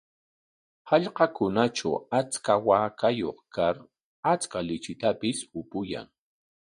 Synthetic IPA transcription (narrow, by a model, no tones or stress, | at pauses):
hɑʎqɑkʊnat͡ʃa̰wat͡skawaːkajo̰χkaɾ | at͡skalɪt͡ʃɪt̪apɪsʊpʊja̰ŋ